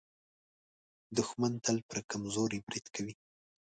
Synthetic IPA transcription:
d̪ʊxmant̪alpəɾkamzoɾebɾid̪̥kʰawi

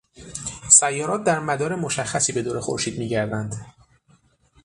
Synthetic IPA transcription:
sæjːɒːɾɒːt̪̚d̪æɾmæd̪ɒːɾe̞moʃæxːæsiːbe̞d̪oːɾe̞xo̰ɾʃiːd̪miːɟæɾd̪ænd̪

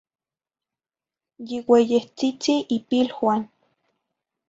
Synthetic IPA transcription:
jiwejeht͡sit͡siʔipilhwan

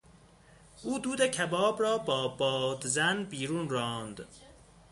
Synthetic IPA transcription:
ʔuːd̪uːd̪ecʰæbɒːbɾɒːbɒːbɒːd̪zænbiːɾuːnrɒːnd̪

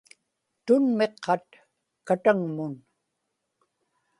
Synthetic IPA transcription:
t̪ʊnme̞qʰːɑt̪̚ | kat̪aŋmʊn

